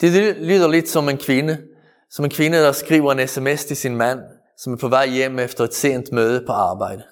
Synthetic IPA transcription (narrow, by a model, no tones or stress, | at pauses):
d̪̥elyːðˠɐlid̥sɒ̽menkʰʋɪnə | sɒ̽menkʰʋɪnəd̥ɑsɡ̥ʁḭːʊɐenesemest̪ʰe̝sinmæn̰ | sɒ̽mæɐpʰɒʋæɪ̰ːem̰efd̥ɐʁed̪̥se̝̰ːnd̥̪møːð̞ˠəpʰɒ̽ɑ̈ːbɑɪ̰d̥ə